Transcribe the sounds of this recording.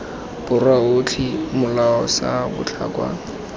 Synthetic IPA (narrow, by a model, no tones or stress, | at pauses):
b̥ʊrwaʊt͡ɬʰimʊlaɔsabʊ̰t͡ɬʰa̰kʼwa̰